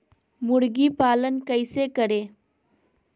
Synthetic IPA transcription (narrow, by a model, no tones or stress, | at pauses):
muɽɡiːpaːlənkəjsekəɽeː